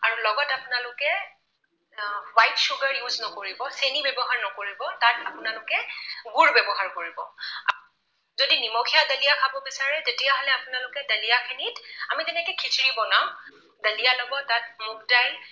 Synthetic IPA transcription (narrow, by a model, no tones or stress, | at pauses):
a̰ɹulɔɡɔtapʊnalʊkɛ | wajtʃuɡaɹjuznɔkoɹibɔsenibɛbɔɦaɹnɔkoɹibɔtatapʊnalʊkɛɡuɹbɛbɔɦaɹkoɹibɔ̰a̰ | zodinimɔkʰijadalijakʰabɔbisaɹɛtetijaɦɔlɛapʊnalʊkɛdalijakʰinitamitɛnɛkɛkʰitʰiɹibɔnaʊ̃ | dalijalɔɡɔtːat̚mʊkdaj